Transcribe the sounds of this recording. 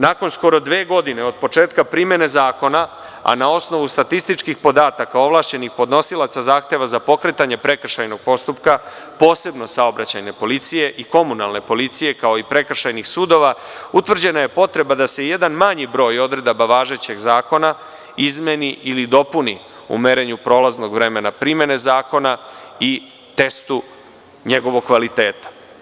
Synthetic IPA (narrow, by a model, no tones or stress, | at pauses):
naːko̞nsko̞ɾo̞d̪ʋeːɡo̞d̪ine̞o̞d̪̚po̞t͡ʂeːt̪kapɾimje̞ne̞zaːko̞na | a̰nao̞sno̞ʋust̪at̪ist̪it͡ʃkixpo̞d̪aːt̪akao̞ʋlˠaʃt͡ɕe̞nixpo̞d̪no̞silˠat̪sazaːxt̪e̞ʋazapo̞kɾe̞t̪aɲe̞pɾe̞kr̩ʃajno̞ɡ̥̚po̞st̪upka | po̞ːse̞bno̞sao̞bɾat͡ɕa̰jne̞po̞lit̪sije̞ʔiko̞munalˠne̞po̞lit̪sije̞kao̞ipɾe̞kr̩ʃajnixsuːd̪o̞ʋaut̪ʋr̩d͡ʑenaje̞po̞t̪ɾe̞bad̪ase̞je̞d̪anmaɲibɾo̞ːjo̞d̪ɾe̞d̪abaʋaːʒe̞t͡ɕe̞ɡzaːko̞na | izmeniʔilid̪o̞puni | ṵmeɾe̞ɲupɾo̞ːlazno̞ɡʋɾe̞me̞napɾime̞ne̞zaːko̞nai | t̪e̞st̪u | ɲe̞ɡo̞ʋo̞ɡkːʋalit̪e̞ːt̪ḁ